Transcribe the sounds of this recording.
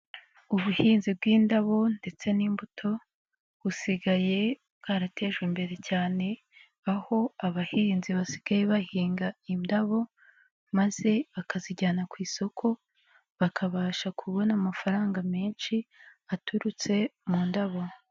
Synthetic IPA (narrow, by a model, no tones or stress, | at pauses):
uβuhiːnzib̚ɡiːndaβo̞nde̞t͡se̞niːmbutʰo̞ | βusiɡaje̞ | ɡ̥aɾate̞ːʒɡwimbe̞ɾe̞caːne̞ | aho̞aβahiːnziβasi̥ɡ̥aje̞βahiːŋɡaindaβo̞ | maze̞βakaziɟaːnakwiːso̞kʰo̞ | βakʰaβaːʃakʰuβo̞namafaɾaːŋɡameːnʃiatʰuɾut͡se̞muːndaβo̞